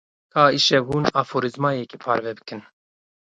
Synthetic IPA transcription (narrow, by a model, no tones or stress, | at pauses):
kʰaːiʃɛɦuːnaːfoːɾizmaːjɛkipʰɑ̰ːɾvɛbɨ̥kʰɨn